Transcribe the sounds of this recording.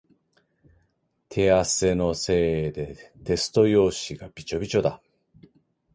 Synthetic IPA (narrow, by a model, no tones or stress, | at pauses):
t̪ʰe̞ase̞no̞se̞ːed̪e̞t̪e̞sɨ̥t̪o̞jo̞ːɕiɡab̥ʲit͡ɕo̞bʲit͡ɕo̞d̪a